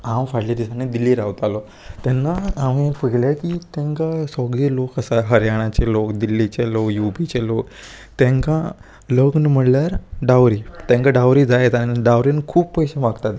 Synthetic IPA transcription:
ãwfaɽlad̪isaned̪ilːiɾawt̪alɔ | t̪ɛnːaːmepəɡlakit̪ɛ̃ŋkasɔɡɭiːlokəsaɦəɾjaɽ̃at͡ɕelokd̪ilːit͡ɕelokjupit͡ɕelok | t̪ɛ̃ŋkã | ləɡnm̤əɽljaɾɖawɾit̪ẽŋkaɖawɾid͡zajet̪aniɖawɾinkʰuːppəjɕemaɡt̪at̪

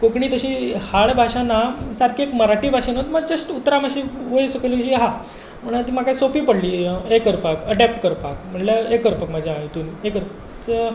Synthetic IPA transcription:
kokɳiːt̪əɕiːhaɭbʱaɕanasaɾkʰiekməɾaʈiːbʱaɕanot̪məɡd͡ʑəsʈut̪ɾamaɕiːʋojsəkələɕiːɦa | m̤əɽ̃t̪iːmakaisopiːpəɽliːekəɾpakəʈɛpʈkəɾpakm̤əʈləekːəɾpəkmad͡ʑʱjaajt̪uːnekəɾpəkt͡sə

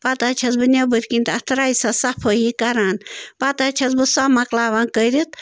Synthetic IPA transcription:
pɐt̪at͡ʃʰɐzbɨnʲɐbɨɾʲkint̪ɐt̪ʰɾaːjsɐsɐpʰoɦikɐɾaːnbɐt̪at͡ʃʰɐzbɨsɐmɐklaːʋankəɾit̪

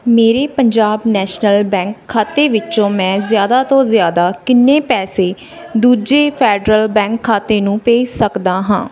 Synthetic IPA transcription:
meːɾeːpəɲd͡ʒaːbnɛːʃnəlbɛ̃ːŋkʰːaːt̪eːʋɪt͡ʃõːmɛ̃ːzjaːd̪aːt̪õːzjaːd̪aːkɪnːẽːpɛːseː | d̪uːd͡ʒeːpʰɛːɖɾəlbɛ̃ːŋkʰːaːt̪eːnũːpeːʃsəkd̪aːɦã̰ː

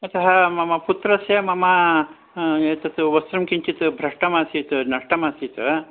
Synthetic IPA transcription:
ɐt̪ɐɦɐmɐmɐput̪ɾɐsjɐmɐmɐ | eːt̪ɐt̪uʋɐst̪ɾɐmkiɲt͡ʃit̪ɨbʱɾɐʂʈɐmaːsit̪ɨnɐʂʈɐmasit̪ɐ

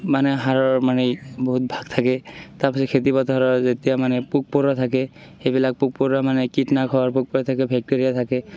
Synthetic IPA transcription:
manɛɦaɹɔɹmanɛbɔɦut̚bʱaɡ̚t̪ʰakɛtaɹpasɔkʰetipɔtɔɦaɹɔɹzetijamanɛpuk̚pɔɹɔtʰakɛ | xejbilak̚puk̚pɔɹamanɛkitnakʰɔaɹpuk̚pɔɹɔt̪ʰakɛbʱɛk̚teɹijat̪ʰakɛ

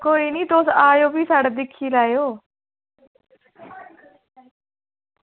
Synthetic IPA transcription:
koːiːnĩːt̪oːsaːjoːbiːsaːɽeːd̪ɪkʰːiːlaːejoː

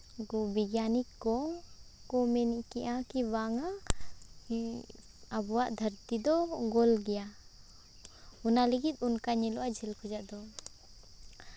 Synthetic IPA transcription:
ɡɔbiɡjanikːɔkɔmɛniʔkiʔakiwaŋa | abɔwaʔd̪ʱəɾt̪id̪ɔɡɔlɡɛja | unaliɡit̪̚unkaɲɛlɔʔad͡ʒɛlkʰɔd͡ʒaʔd̪ɔ

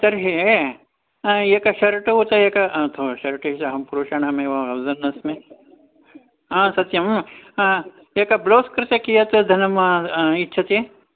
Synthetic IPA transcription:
t̪ɐɾɦe | jekɐʃɐɾʈɐɦot̪ɐjekɐt̪ʰoʃɐɾʈɐʃɐɦɐmpuɾuːʃaɳamẽʋɐɐwzɐnːɐsmẽ | ãsɐt̪jɐm | jekɐbloːskɾɪt̪ɐkijɐt̪d̪ʱɐnɐmitːʃʰɐt̪e

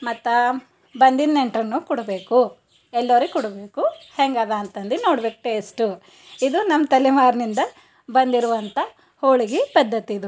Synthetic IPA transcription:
mɐt̪ːɐ | bɐnd̪inːeɳʈɾɐnːuːkɔɽube̞ːku | ɛlːɐʋɾikɔɽubeːkuheŋɡaːd̪aːnt̪ɐnd̪inoːɽbeːk̚ʈ̪eːsʈu | id̪unɐmːɐt̪ɐlɛmaːɾnind̪ɐ | bɐnd̪iɾuʋɐnt̪ɐ | hoːɭiɡibɐd̪ʱːɐt̪iːd̪u

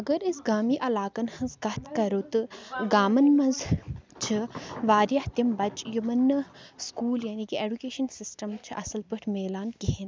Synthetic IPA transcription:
ɐɡɐɾɪsɡaːmiːʔɐlaːkɐnhɐ̃nzɡɐt̪ʰkɐɾut̪ɨɡaːmɐnmɐnzt͡ʃʰɨʋaːɾjɐht̪imbɐt͡ʃjumɐnɨskuːljaːniːkieːɖukeːʃɐnsɪsʈɐmt͡ʃʰɨʔɐsɐlpɨʈʰmeːlaːnkiɦin

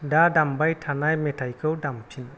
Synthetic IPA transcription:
dadambajtʰanajmɛtʰajkʰɯwdamt͡ʃʰin

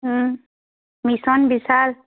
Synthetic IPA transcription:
misɔnbisal

